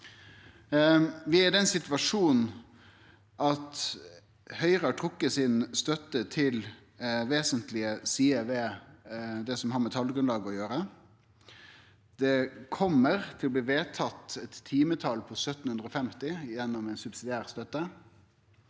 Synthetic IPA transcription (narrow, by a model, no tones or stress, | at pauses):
ʋɪæd̪ɛnsɪt̪ʋɑʂuːn | ʔɑt̪ | hœʏʁɑʈʰʁʊkːəsɪnst̪œt̪ːət̪ʰɪl | ʋeːsənt̪lɪəsiːɛʋeː | d̪ɛsɔmhɑːɾmɛt̪ʰɑlːəɡɾʉnlɑːɡɔjøːɾə | d̪̥ɛkʰɔmːəɾt̪ʰɪlɔbliːʋeːt̪ʰɑt̪ɛt̪ʰːiːmət̪ʰɑlpʰɔsœt̪ːn̩hʉnd̪ʁəɔfɛmt̪ɪjɛnːɔmɛɪnsʉbsɪd̪ɪæːʁst̪œt̪ːə